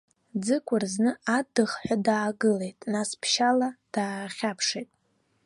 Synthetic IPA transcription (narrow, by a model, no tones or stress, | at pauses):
d͡zɨkʷʼʊrznɨadɨχħʷᶣadaːɡɨle̞jtʼnaspʰʃalad̥aːχʲapʰʂejtʼ